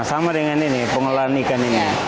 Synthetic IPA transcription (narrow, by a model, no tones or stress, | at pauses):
samadəŋaninipəŋəlanikanini